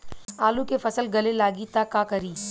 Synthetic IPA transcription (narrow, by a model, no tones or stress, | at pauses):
aːlũkefɐsəlɡɐlelaːɡit̪akːakɐɾiː